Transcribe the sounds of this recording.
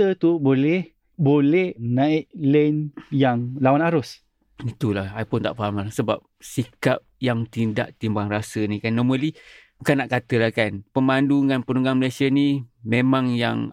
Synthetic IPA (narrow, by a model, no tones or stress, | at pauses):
t̪ət̪ubolɛh | bolɛhnaɪʔlənjaŋlawanaɾʊs | it̪ulahajpʊnt̪a̰ʔpəamlasəba̰p̚sikap̚jaŋt̪inda̰ʔt̪imbaŋrasənikanːɔmə̃libukanːaʔkat̪əlahkanpəmanduŋanpənuŋɡaŋməlajsianimemaŋja̰ŋ